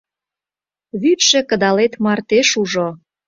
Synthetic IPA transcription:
βyt̪ʃĕkə̆d̪ɑlet̪mɑrt̪eʃuʒo

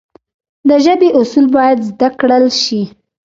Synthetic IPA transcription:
d̪əʒəbeʔʊsulbɑjad̪zd̪akɽəlʃi

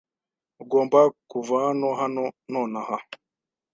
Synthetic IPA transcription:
uɡoːmbakuvahanoɦanonoːnaha

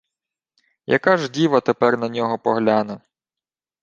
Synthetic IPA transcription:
jɐ̰kaʒdʲiʋɐt̪epɛrnɐnʲɔɦɔpɔɦlʲanɐ

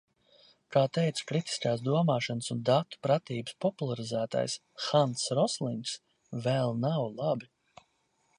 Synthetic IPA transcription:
kaːt̪ɛjt̪sḁkɾit̪i̥skaːsd̪uɔmaːʃanəsund̪at̪u̥pɾat̪iːbɨ̥spɔpulˠaɾizæːt̪a̰js | xansɾɔslˠiŋks | vɛlˠnawlˠabi

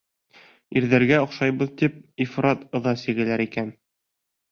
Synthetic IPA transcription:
iɾðæɾɡæŏqʃɑjbɤðt̪ip̚ifɾɑt̪ɤ̆ðɑsiɡɘ̆læɾikæn

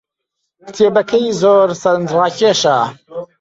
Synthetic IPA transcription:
kt̪ʰeːbɐkʰɐizoːɾsɐɾɨnd͡ʒraːkeːʃaː

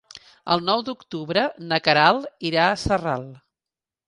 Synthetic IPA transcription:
ə̰lˠnɔwd̪ukt̪uβɾənəkəɾalˠiɾaəsəralˠ

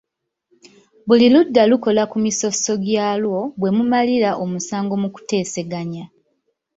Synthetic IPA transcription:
βuliludːaluko̞lakumiso̞so̞ɡjaːlwo̞βwe̞mumaliɾaʔomusaːŋɡo̞muku̥te̞ːse̞ɡaɲa

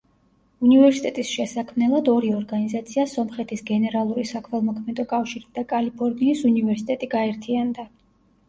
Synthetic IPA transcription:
univɛɾsit̪ʼɛt̪ʼisʃɛsakʰmnɛlˠad̪ɔɾiɔɾɡanizat̪sʰiasɔmχɛt̪ʰisɡɛnɛɾalˠuɾisakʰmɛlˠmɔkʰmɛt̪ʼɔkʼafʃiɾid̪̥akʼalipʰɔɾniːsunivɛɾsi̥t̪ʼɛt̪ʼiɡaɛɾt̪ʰiand̪a

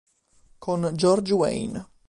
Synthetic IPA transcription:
kʰond͡ʒɔɾd͡ʒwḛjn

